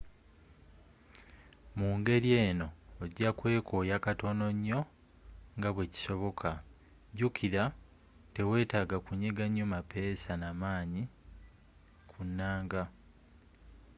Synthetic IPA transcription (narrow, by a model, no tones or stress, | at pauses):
muːŋɡe̞ɾje̞ːno̞ːɟakwe̞ːkʰo̞jakato̞no̞ɲːo̞ | ŋɡaβwe̞ci̥so̞βo̞kʰa | ɟukʰiɾa | te̞we̞ːtaːɡakuɲeɡaɲːo̞mape̞sanamaːɲi | kʰunːaːŋɡa